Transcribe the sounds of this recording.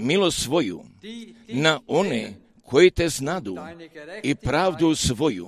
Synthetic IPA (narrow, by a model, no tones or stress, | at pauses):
milost̪sʋo̞jṵ | naʔo̞ne | kʰojit̪eznad̪uipɾaːʋd̪usʋo̞jṵ